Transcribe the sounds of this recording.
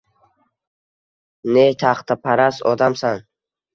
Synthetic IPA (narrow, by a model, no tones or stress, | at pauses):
net̪ʰaχt̪ʰapʰaɾasɒd̪amsan